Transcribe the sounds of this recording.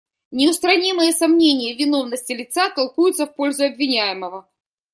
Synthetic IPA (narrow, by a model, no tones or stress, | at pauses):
nʲɪʊst̪ɾɐnʲimɨjəsɐmnʲenʲɪjəvʲɪno̞vnəsʲtʲɪlʲɪt̪sat̪ɐlˠkujʊt̪səfpo̞lʲzʊɐbvʲɪnʲæjɪməvə